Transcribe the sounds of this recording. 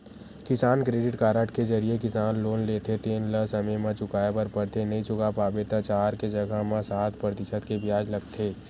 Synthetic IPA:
kɪsaːnkɾeːɖɪʈkaːɾəʈkezɐɾiekɪsaːnloːnleːt̪ʰet̪eːnləsɐməjmãt͡ʃʊkaːepəɾpɐɽt̪ʰenɐɦĩt͡ʃʊkapaːbet̪at͡ʃaːɾked͡ʒɐɡəɦmãsaːt̪ʰpɾət̪ɪʃəd̪kebjaːd͡ʒlɐɡt̪ʰeː

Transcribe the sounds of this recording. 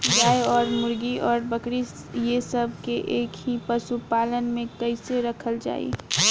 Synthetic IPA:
ɡaːeɔːɾmʊɾɡiɔːɾbəkɽi | jesəb̚ʱkeʔeːkɦipəsupaːlənmẽkəɪseɾəkʰəld͡ʒa̰ːḭ

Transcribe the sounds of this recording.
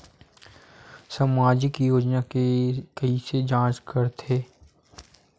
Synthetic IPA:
səmaːd͡ʒɪkijoːd͡ʒnakekɐised͡ʒãːt͡ʃkəɾt̪ʰeː

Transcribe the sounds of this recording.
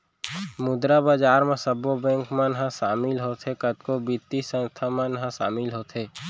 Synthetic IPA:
mʊd̪ɾabaːd͡ʒaːɾmẽsəbobɛ̃ːŋkmãnɦãʃaːmɪlɦoːt̪ʰɦekət̪kobit̪ːisə̃nst̪ʰamãnɦãsa̰ːmɪlɦoːt̪ʰeː

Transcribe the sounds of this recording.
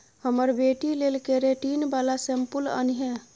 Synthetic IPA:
həməɾbeʈilelkeɾeʈinbalasɛmpulə̰niɦẽ

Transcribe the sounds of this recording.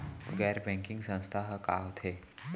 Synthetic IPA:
ɡɛːɾbɛ̃ːŋkɪ̃ŋɡsə̃st̪ʰaɦkaːɦot̪ʰeː

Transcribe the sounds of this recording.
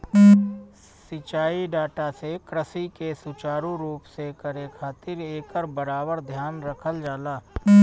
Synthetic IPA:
sɪt͡ʃaːiɖaːʈasekɾəsikesʊt͡ʃaːɾũɾuːpsekəɾekʰaːt̪ɪɾeːkəɾbəɾaːbəɾd̪ʱjaːnɾəkʰəld͡ʒaːlaː

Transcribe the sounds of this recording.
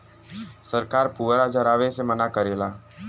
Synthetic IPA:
səɾkaːɾpuːʋɾad͡ʒɐɾaːʋesemənakəɾelaː

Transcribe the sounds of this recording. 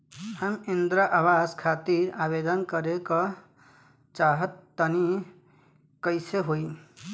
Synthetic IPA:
həmind̪ɾaʔabad͡ʒkʰat̪iɾabed̪ənkəɾekə | t͡ʃaɦət̪ːəni | kəɪseɦoj

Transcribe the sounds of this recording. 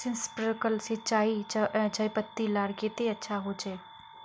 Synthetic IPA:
sɪ̃nspɾəkəlsɪt͡ʃaːid͡ʒaːipət̪ːilaːɽket̪eːətːʃʰaːɦoːd͡ʒeː

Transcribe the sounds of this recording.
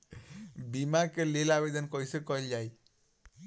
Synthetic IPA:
bimakelelabed̪ənkɔjsekɔɦeld͡ʒaj

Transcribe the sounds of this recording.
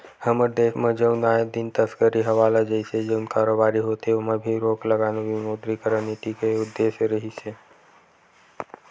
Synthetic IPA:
həməɾd̪eːkʰmə̃d͡ʒəʊnaːed̪ɪnt̪əskəɾiɦɐʋaːlad͡ʒəɪsed͡ʒəʊnkaːɾoːbaːɾiɦoːt̪eʊmə̃bʱiɾoːkləɡaːnoʋimoːd̪ɾikəɾəniʈ̪ikeʊd̪ːeːʃəɾəɦise

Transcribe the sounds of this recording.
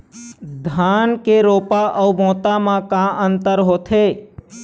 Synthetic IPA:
d̪ʱankeɾoːpaʔəumõːt̪amãkãʔənt̪əɾɦoːt̪ʰe

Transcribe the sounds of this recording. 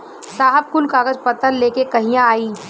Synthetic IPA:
saːɦəb̚kʊlkaːɡəd͡ʒpət̪ənleːkekɐɦĩjãaːiː

